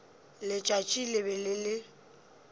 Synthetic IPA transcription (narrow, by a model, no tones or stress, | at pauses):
lɪt͡ʃʼat͡ʃʼilɪbɛlɪlɪ